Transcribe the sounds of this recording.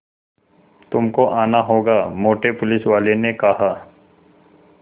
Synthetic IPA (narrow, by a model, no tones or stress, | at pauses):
t̪ʊmkoʔaːnaɦoːɡaːmoːʈepʊlɪsʋaːlenekɐɦaː